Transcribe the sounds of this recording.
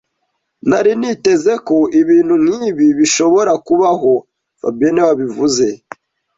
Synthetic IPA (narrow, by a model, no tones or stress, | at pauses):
naɾinite̞ze̞koʔiβiːn̥hun̥hiːβiβiʃo̞βoɾakuβaɦo̞ | fa̰bienewaβivuze̞